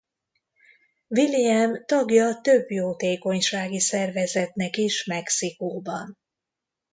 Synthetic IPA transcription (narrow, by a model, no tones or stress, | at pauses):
viliɛmt̪ɒɡjɒt̪ø̞bjoːt̪eːko̞ɲʃaːɡisɛrvɛzɛt̪nɛkiʃmɛksikoːbɒn